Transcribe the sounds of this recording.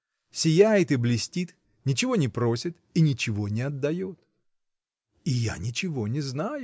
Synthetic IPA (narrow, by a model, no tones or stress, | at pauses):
sʲɪjæjɪt̪ɨblʲɪsʲtʲit̪ | nʲɪt͡ɕɪvo̞nʲɪpɾo̞sʲɪt̪inʲɪt͡ɕɪvo̞nʲɪɐd̪ːɐjo̞t̪ | ɪja̰nʲɪt͡ɕɪvo̞nʲɪznajʊ